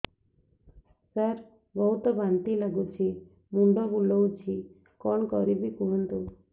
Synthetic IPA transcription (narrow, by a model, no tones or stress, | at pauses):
səɾ | bɔɦut̪ɔbant̪ilaɡut͡ʃʰi | muɳɖɔbulɔwt͡ʃʰi | kɔɳkɔɾibʱikuənt̪u